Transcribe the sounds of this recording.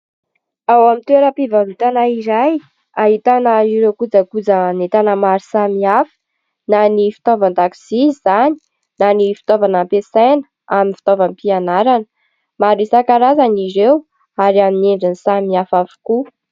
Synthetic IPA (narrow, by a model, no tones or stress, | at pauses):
awamint̪weɾəpivavit̪anaiɾaj | aɦit̪anəiɾekud͡zakud͡zanet̪anəmaɾisamiafə̥ | nanifi̥t̪ovand̪aki̥z̥izizani̥ | nanifi̥t̪ovanampesajnə̥ | aminfi̥t̪ovampianaɾanə | maɾisakaɾazaniɾew | aɾiamineɳɖ͡ʐanisamiafafu̥ku